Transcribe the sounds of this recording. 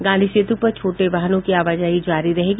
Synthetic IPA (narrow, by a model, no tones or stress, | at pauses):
ɡãːnd̪ʱiʃeːt̪upɐɾt͡ʃʰoːʈeʋaɦənõkiaːʋaːd͡ʒaːid͡ʒaːɾiɾɐɦeːɡi